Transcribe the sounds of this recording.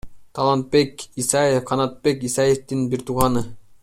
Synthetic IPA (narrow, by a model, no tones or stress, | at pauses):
t̪ʰɑlˠɑnt̪̚pekisɑjefqʰɑnɑt̪̚pekisɑjeft̪inbiɾt̪ʰuʁɑnɯ